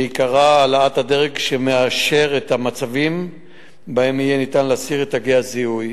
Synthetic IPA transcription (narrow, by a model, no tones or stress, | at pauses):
ikaʁaːlaathadeʁeɡʃe̞meaʃe̞ʁetamat͡savim | bae̞mijenit̪anleasiʁetaɡeaziuj